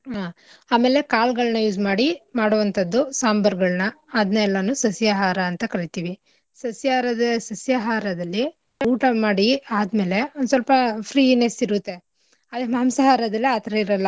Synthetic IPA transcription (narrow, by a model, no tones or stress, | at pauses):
ɦaːaːmeːle̞kaːlɡɐɭnɐjuːd͡ʒmaːɽimaːɽuʋɐnt̪ʰɐd̪ːusaːmbɐɾɡɐɭnɐːd̪nɐɛlːɐnuːsɐsjaɦaːɾɐːnt̪ɐkɐɽit̪iːʋi | sɐsjaːɾɐd̪ɐsɐsjaːɦaːɾɐd̪ɐlːi | uːʈɐmaːɽiaːd̪me̞ːleond̪usɐlpɐpʰɾiːnesiɾut̪ːe | ɐd̪emɐɦɐmsɐɦaːɾɐd̪ɐlːiaːt̪ɐɾɐiɾɐlːɐ